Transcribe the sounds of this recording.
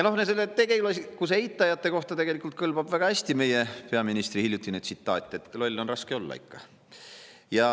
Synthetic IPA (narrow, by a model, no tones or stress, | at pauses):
jɑno̞hnese̞lːet̪ːeɡeulesikuseejt̪ːˑɑjɑt̪ːˑe̞ko̞ht̪ɑt̪e̞ɡ̥e̞likˑult̪̚kɤlb̥ɑb̥væɡ̥ɑæsʲt̪ime̞jepe̞ɑminist̪rihilʲːjut̪ːˑinyd̪t̪sit̪ːˑɑːt̪ʲˑːe̞t̪ːˑlo̞lʲːo̞nrɑske̞o̞lːɑ̰ḭkːɑ̥ | jɑ